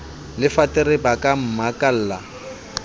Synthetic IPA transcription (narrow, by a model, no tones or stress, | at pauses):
lɪfatɪɾɪbakʼam̩makʼal̩ːla̰